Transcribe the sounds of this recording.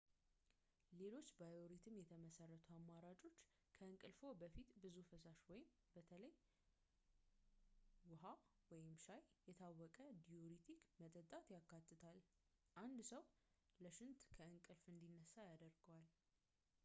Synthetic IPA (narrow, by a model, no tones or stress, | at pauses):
le̞lo̞t͡ʃːbajoɾit̪ʰɨmjɛt̪ʰəməsərːət̪ʰuamːaɾat͡ʃʼo̞t͡ʃː | kʰəɨŋkʼɨlfo̞bəfit̪bɨzufəsaʃwɔjɪm | bət̪ʰələj | wʊɦawɔjɪmʃajjɛt̪ʰawːɔkʼəd̪ioɾit̪ʰikmət̪ʼət̪ʼat̪jakʰːat̪ːɨt̪ʰal | ʔand̪səw | ləʃɪnt̪kʰəɨŋkʼɨlfɨnd̪inːəsːajad̪əɾɡəwal